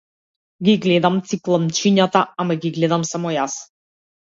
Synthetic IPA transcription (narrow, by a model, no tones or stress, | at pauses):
ɡiɡlɛd̪amt̪siklˠamt͡ʃiɲat̪aamaɡiɡlɛd̪amsamɔjas